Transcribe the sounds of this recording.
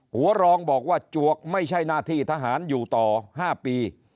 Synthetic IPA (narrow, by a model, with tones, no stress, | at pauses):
hu˩˦ɐɾɔː˧ŋbɔː˨˩k̚waː˥˩t͡ɕu˨˩ək̚ma˥˩jt͡ɕʰa˥˩jnaː˥˩t̪ʰiː˥˩t̪ʰa˧ɦaː˩˦njuː˨˩t̪ɔː˨˩haː˥˩piː˧